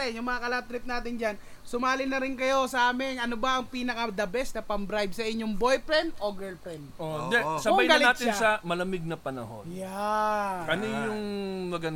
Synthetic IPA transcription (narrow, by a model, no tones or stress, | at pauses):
ɛnjʊŋmɐŋɐkɐlɐp̚t̪ɾɪp̚naːt̪ɪnd͡ʒan | sʊmaːlɪnɐɾɪnkɐjo̞sɐʔaːmɪŋɐnobɐʔɐŋpiːnɐkɐd̪ɐbɛsnɐpɐmbɾajbsɐʔɪɲːoŋbo̞jpɾɛnd̪ʔoɡɛlpɾɛnd̪ʔod̪ɛsɐmbɐjɡɐlɪaːt̪ɪnsɐmɐlɐmɪɡ̚nɐpɐnɐ̰ho̰nja | kɐnijʊŋnɐɡɐn